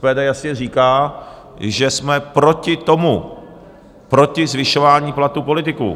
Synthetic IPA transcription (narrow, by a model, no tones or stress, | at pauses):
pɛːdɛːjasɲɛriːkaː | ʒɛsmɛpɾo̞cɪt̪o̞mu | pɾo̞cɪzvɪʃo̞vaːɲiːplat̪upo̞lɪt̪ɪkṵ